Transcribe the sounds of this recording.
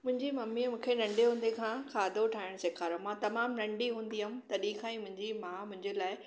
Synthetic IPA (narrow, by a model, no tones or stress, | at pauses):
mʊ̃ɦɪ̃ɲd͡ʑimɐmːimũːkʰenɐ̃ɳɖeɦũːn̆d̪ekʰãːkʰaːd̪ʱoʈʰaːɪɽ̃sɪkʰaːɾjõmãːt̪ɐmaːmnɐ̃ɳɖiɦũːn̆d̪iɦʊmt̪ɐɗiːxaĩmʊ̃ɦɪ̃ɲd͡ʑimãːmʊ̃ɦɪ̃ɲd͡ʑelaːɪ